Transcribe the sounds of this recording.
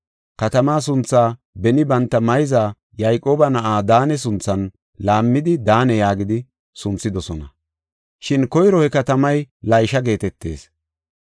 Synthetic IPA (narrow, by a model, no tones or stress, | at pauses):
kɐt̪ɐmaːs̬ʊnt͡sːaː | bɛnɪbɐnt̪ːɐmɐjzaː | jɐjkʼːo̞ːbɐnɐʔaːd̪aːnɛs̬ʊnt͡sːɐn | laːmːɪd̪ɪd̪aːnɛjaːɡɪd̪ɪ | sʊnt͡sːɪd̪ɔsɔnɐ̰ | ʃɪnkɔjɾɔhɛkɐt̪ɐmɐjlɐjʃɐɡe̞ːt̪ɛt̪ːe̞̰ːs